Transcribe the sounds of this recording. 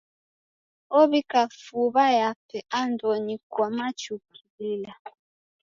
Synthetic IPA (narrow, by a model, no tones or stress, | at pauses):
ɔβikafuβajapɛʔandɔɲikwamat͡ʃukilila